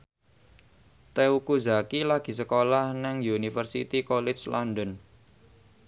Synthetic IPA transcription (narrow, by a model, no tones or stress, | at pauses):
t̪eukuzakilaɡ̥i̤səkolahnaŋjunifərsit̪ikɔlɛt͡ʃlɔnɖɔn